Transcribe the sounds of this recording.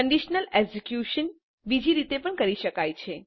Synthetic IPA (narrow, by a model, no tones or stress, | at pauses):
əɳɖiʃnəleɡsekjuʃən | bid͡ʒʱiɾit̪epəɳkəɾiʃəkajt͡ʃʰe